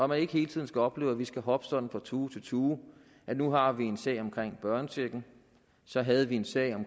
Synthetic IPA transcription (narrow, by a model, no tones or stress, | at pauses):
ɒmæne̝ɡ̥əhe̝ːlət͡sʰið̰̩ˠsɡ̥æɒ̽b̥le̝ːʊæʋisɡ̥æɦɒ̽b̥ə̥sɒ̽d̥n̩fʁɑ̈t͡sʰuːt͡sʰe̝lt͡sʰuː | ʔænuɦɑ̈ʋie̝nsɛ̰ɪ̰ɒ̽mkʰʁeŋ̰b̥ɶɐnəsʰiɐɡ̥n̩ | sɒ̽ɦæð̞ˠəʋie̝nsɛ̰ɪ̰ɒ̽m